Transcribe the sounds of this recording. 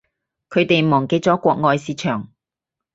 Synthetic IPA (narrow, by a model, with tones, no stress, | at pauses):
kʰɵ˨˧ɥt̪e˨jmɔː˨˩ŋke˧˥t͡sɔː˨˥kʷɔː˧k̚ŋɔː˧jsiː˨˧t͡ʃʰœː˨˩ŋ